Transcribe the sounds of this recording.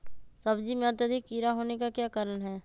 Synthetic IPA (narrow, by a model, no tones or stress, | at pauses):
sɐbd͡ʒimẽɐt̪əd̪ʱikːiːɾaɦoːnekakjaːkaɾənɦɛː